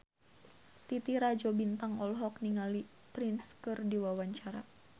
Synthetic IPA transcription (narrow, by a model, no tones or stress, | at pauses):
t̪it̪iɾad͡ʒɔbint̪aŋɔlɦɔkniŋali | pɾinskɨrdiwawaɲt͡ʃaɾa